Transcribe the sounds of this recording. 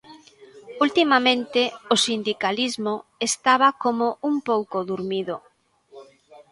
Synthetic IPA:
ult̪imamẽnt̪ɪosind̪ikalizmoest̪aβ̞akomoumpowkoðuɾmiðo

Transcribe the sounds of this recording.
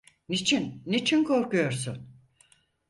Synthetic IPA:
nit͡ʃʰinːit͡ʃʰinkʰo̞ɾkujo̞ɾsun

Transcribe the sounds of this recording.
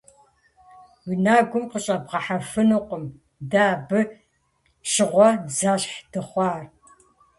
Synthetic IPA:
winaːɡʷʊmqəɕʼɐbʁɐħafɨnɨqʷʊm | daːbɨ | ɕɪʁʷɐzaːɕħd̥ɨχʷɑːr

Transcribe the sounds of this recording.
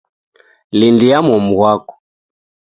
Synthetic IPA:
lindijamɔmuɣwakɔ̥

